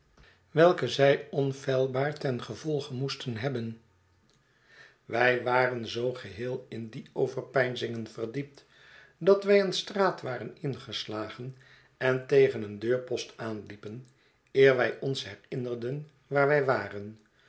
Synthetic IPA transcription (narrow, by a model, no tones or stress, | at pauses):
ʋɛlˠkəzɛjɔnfɛlˠbaːɹtɛnχəvɔlˠχəmustənɦɛbən | ʋɛjʋaːrənzowχəɦɪːlˠɪndiowvəɹpɛjnzɪŋənvərdip̚t | dɑtʋɛjənstraːtʋaːrənɪnχəslaːχən | ɛntejχənəndøːɹpɔstaːnlipən | ɪːɹʋɛjɔnsɦɛrɪnərdən | ʋaːɹʋɛjʋaːrən